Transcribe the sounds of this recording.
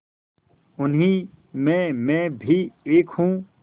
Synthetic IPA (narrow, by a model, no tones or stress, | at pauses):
ʊnɦĩː | mɛ̃ːmɛ̃ːbʱiːeːkʰɦũː